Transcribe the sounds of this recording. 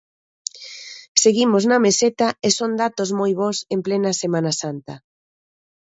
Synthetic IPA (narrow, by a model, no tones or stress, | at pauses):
seɣimoznɐmeset̪aesond̪at̪ozmojβosemplenɐsemãnasant̪ɐ̰